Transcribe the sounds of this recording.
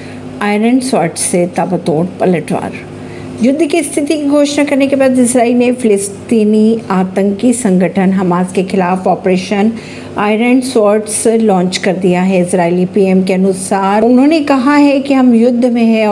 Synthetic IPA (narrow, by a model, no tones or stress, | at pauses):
aːɪɾəɳɖsɔːɾʈsːet̪aːbət̪oːɽpɐləʈʋa̰ːɾ | jʊd̪ʱːkist̪ʰɪt̪ikiɡʱoːʃnakɐɾnekebaːd̪ɪsɾaːiːlnefɪlɪst̪iːniaːt̪ə̃ŋkisɐ̃ŋɡʱəʈʰənɦɐmaːzkexɪlaːfɔːpɾeːʃən | aːɪɾəɳɖsɔːɾʈslɔ̃ːɲt͡ʃkɐɾd̪ijaɦɛɪsɾaːilipiːɛːmkeɐnʊsaːɾʊnɦõːnekɐɦaɦɛkiɦɐmjʊd̪ʱːmẽɦɛ